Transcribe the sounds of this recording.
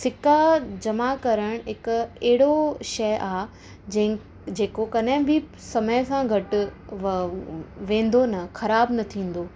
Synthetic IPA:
sɪkad͡ʑɐmakɐɾəɽ̃ɦɪkɛɦɪɽoʃɐːʔaː | d͡ʑ̃ɪ̃ | d͡ʑeːkokɐɗɦɪ̃bʱɪ | sɐməjsãɡʱɐʈ | ʋẽːn̆d̪onɐxɐɾaːbnɐt̪ʰĩːn̆d̪oː

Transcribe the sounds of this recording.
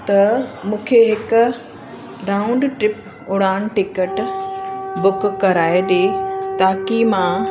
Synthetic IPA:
t̪ɐmũːkʰeɦɪkʊ | ɾaːʊ̃ɳɖʈɾɪp | ʊɽaːñʈɪkəʈ | bʊkkːɐɾaːeɗeːt̪aːkimã

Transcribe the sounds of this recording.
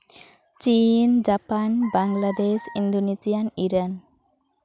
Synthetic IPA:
t͡ʃind͡ʒapanbaŋlad̪esind̪onisijaniɾan

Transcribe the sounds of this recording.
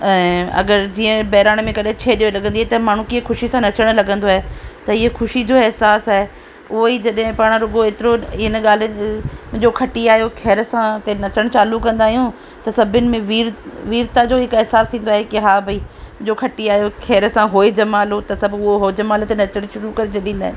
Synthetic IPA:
ɛ̃ɐ̰ɡəɾd͡ʑiːə̃bɐɦɾaːɽ̃mẽkɐɗɦẽt͡ɕʰeːɗiolɐɡə̃nd̪iaːet̪ɐmaːɳ̤ũkiexʊʃisãnɐt͡ɕəɽ̃lɐɠə̃nd̪oaːɦet̪ɐɪɦexʊʃid͡ʑoːɛɦsaːsaːɦe | ʊɦoid͡ʑɐɗɦɪ̃paːɽ̃ɾʊɡoeːt̪ɪɾoɪɪnɠaːl̤ɪmʊ̃ɦɪ̃ɲd͡ʑokʰɐʈiaːɦijokʰɛːɾəsãt̪enɐt͡ɕəɽ̃t͡ɕaːlukːɐ̃nd̪aːɦijũ | t̪ɐsɐbʱɪʊnɪ̆mẽʋiːɾʋiːɾt̪ad͡ʑoːɦɪkɛɦsaːst̪ʰĩːn̆d̪oaːɦekiɦaːbʱɐiʊ̃d͡ʑokʰɐʈiaːɦijokʰɛːɾsãɦoːed͡ʑɐmaːlot̪ɐsɐbʱʊɦoɦod͡ʑɐmaːlt̪enɐt͡ɕəɽ̃ʃʊɾukɐɾet͡ɕʰɐɗĩːnd̪aːɦẽn

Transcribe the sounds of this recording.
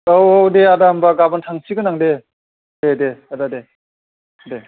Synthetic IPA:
owodeadambaɡabantʰaŋsiɡɯnaŋde | dedeadade | de

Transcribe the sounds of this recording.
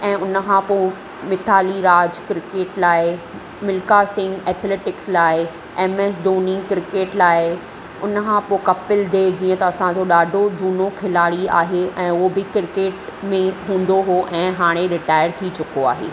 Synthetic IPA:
ɛ̃ːʊnəkʰãpoː | mɪt̪ʰaːliɾaːd͡ʑkɾɪkeːʈlaːɪ | mɪlkasɪ̃ŋɡɛːt̪ʰleːʈɪkslaːɪ | ɛːmeːs̬ɖoːnɪ̃ŋɡkɾɪkeːʈlaːɪ | ʊnkʰãːpoːkɐpɪld̪eːɾd͡ʑiːə̃t̪ɐɐsãd͡ʑoɗaːɖʱod͡ʑuːnokʰɪlaːɽia̰ːɦeʔɛ̃ːʊobɪkɾɪkeːʈmẽɦũːn̆d̪oɦoʔɛ̃ːɦaːɽ̃ẽɾɪʈaːɪəɾt̪ʰit͡ɕʊkoaːɦḛː

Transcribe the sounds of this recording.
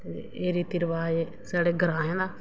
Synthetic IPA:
t̪eeːɾiːt̪iɾʋaːe | saːɽeːɡəɾãːɦɛ̃ːnd̪aː

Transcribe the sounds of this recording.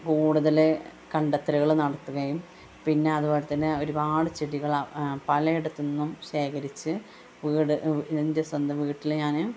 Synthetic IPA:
kuːɽuðɐlekɐɳɖɐt̪ːɐɾɐɣɐɭnɐɽɐt̪ːuɣɐjum | pinːe̞ɐðubo̞ːlɐt̪ːɐnːeo̞ɾupaːɽɨt͡ɕiɽiɣɐɭpɐlɐjiɽɐt̪ːunːumɕe̞ːkɐɾit͡ɕːɨ | ʋiːɽɨnɐndɐsɐnd̪ɐʋiːʈːilɲaːnɨ

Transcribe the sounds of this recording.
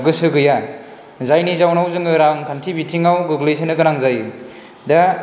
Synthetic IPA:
ɡɯsɯɡɯja | zajnizawnawzɯŋɯɾaŋkʰantʰibitʰiŋawɡɯɡlɯjs̬ʰenɯɡɯnaŋzajɯ | da

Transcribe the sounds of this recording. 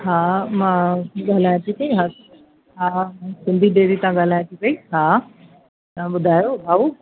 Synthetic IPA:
ɦaːmãːɠaːl̤aːjt̪ʰikɐĩɦaː | ɦaːsɪ̃nd̪ʱiɗeːɾit̪ɐãɠaːl̤aːjt̪ʰipɐiɦaː | t̪ɐãɓʊd̪ʱaːjoɦaːu

